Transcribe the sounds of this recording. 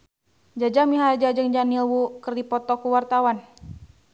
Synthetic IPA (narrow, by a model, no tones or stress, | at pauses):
d͡ʒad͡ʒamiɦaad͡ʒad͡ʒɨŋd͡ʒanilwukərdipɔt̪ɔkuwart̪awan